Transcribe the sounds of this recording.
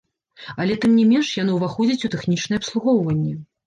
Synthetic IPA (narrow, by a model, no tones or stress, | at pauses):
ɐlʲɛt̪ɨmnʲɛmʲɛnʂjanɔwvaxɔd͡zʲɐt͡sʲut̪ɛxnʲit͡ʂnɨjɛɐpslˠuɣɔwvɐnʲːɛ